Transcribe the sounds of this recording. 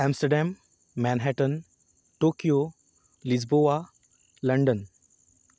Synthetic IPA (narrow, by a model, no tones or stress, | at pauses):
ɛmsʈəɾɖæmː | ɛnɦɛʈən | ʈoːkijo | lid͡zboʋa | ləɳɖən